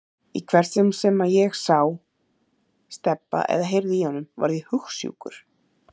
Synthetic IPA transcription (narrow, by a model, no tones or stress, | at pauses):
ikʰvɛɾ̥t̪sɛmsɛmajɛɣsaw | st̪ɛpːa̰ʔɛ̰ðaɦejɾðihɔnːʏmva̰ɾðɪhʏxsjṵkʏɾ̥